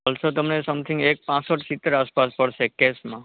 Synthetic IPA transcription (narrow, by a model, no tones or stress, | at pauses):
olsot̪əmnesəmt̪ʰĩŋɡek̚pãsəʈsit̪əɾaspaspəɽʃekesmã